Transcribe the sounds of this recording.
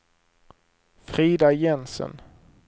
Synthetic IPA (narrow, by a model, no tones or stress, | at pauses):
fɾiːd̪ajɛnsə̰n